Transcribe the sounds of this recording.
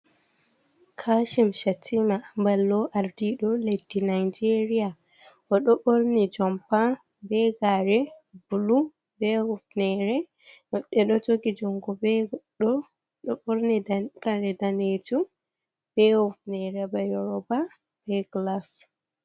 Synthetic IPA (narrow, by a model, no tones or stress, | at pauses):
kʰaʃimʃatʰimambalːɔʔaɾdiɗɔledːinajd͡ʒeɾia | ʔɔɗɔɓoɾnid͡ʒɔmpa | bɛɡaɾɛbulu | bɛhɔfnɛɾɛ | ɔɗɛɗɔd͡ʒoɡid͡ʒɔŋɡɔbɛɗɔ | ɗɔɓoɾniɡ̥aɾɛdaned͡ʒum | b̥ɛhɔfnɛɾɛbajɔɾɔba | bɛɡlas